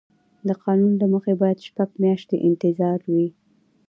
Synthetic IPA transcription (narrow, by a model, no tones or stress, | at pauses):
d̪əqɑnunlaməxebɑjad̪ʃpaɡmjɑʃt̪eʔɪnt̪ɪzɑɾwi